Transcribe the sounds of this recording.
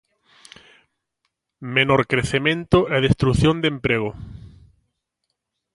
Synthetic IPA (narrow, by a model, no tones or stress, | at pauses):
menoɾkɾeθemẽnt̪ʊʔɛðest̪ɾuθjond̪empɾeɣ̞ʊ